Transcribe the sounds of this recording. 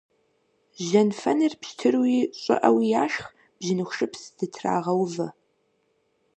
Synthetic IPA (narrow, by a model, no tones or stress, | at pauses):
ʒɐnfɐnɨrpʃtʰɨrwiːɕʼɪ̰ʔɐwijaːʃx | b̥ʑinɨxʷʂʼɨpsd̥ɨtʰra̰ːʁɐwvɐ